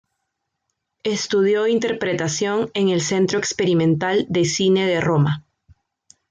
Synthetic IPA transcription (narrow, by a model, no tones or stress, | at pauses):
e̞st̪uðjo̞int̪e̞ɾpɾe̞t̪asjo̞ŋe̞ŋe̞lse̞nt̪ɾoekspe̞ɾimẽnt̪ald̪e̞sine̞ðe̞ro̞ma